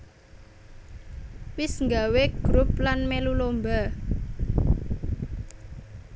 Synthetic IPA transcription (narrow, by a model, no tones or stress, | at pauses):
wɪsŋɡaweɡ̥ɾup̚lanmelulomba